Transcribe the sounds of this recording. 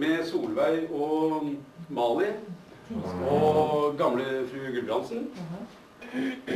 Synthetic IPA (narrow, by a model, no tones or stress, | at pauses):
mɛsuːlʋæɪɔ | mɑːlɪ | ɔɡɑmləfɾʉːɡʉlbɾɑnsn̩